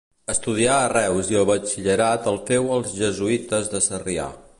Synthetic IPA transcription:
əst̪uð̞iaərɛwziəlˠβət͡ʃiʎəɾat̪əlˠfewəlˠzʒəzuit̪əzðəsəria̰

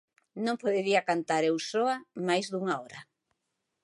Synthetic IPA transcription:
nõŋpoðeɾiakant̪aɾewsɔamajzðuŋaɔɾa

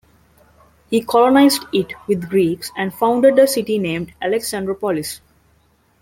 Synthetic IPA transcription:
hiːkʰɔlonaɪzɖɪʈʋɪd̪ɡɾiːksæ̃ɳɖfãʊ̃ɳɖeɖ̚d̪əsɪʈinẽːmɖʔæleksæ̃nɖɾəpɔlɪs

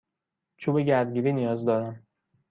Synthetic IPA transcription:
t͡ʃʰuːbeɟæɾd̪ɟiːɾiːnijɒːzd̪ɒːɾæm

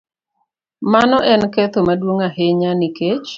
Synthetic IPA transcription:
manɔʔɛnkɛt̪omadwoŋaheɲaniket͡ʃ

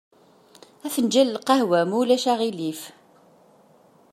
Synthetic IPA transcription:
æθənd͡ʒæləlqɑhwæmulæʃæʁilif

